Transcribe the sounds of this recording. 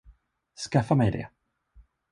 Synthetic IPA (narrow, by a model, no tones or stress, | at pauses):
skafːamɛjd̪ɛ̰